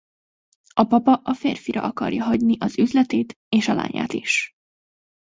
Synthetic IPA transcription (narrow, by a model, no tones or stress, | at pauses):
ɒpɒpɒʔɒfeːrfiɾʔɒ̰ʔɒkɒ̰rjɒɦɒɟniʔɒzyzlɛt̪eːt̪ | eːʃɒla̰ːɲa̰ːt̪iʃ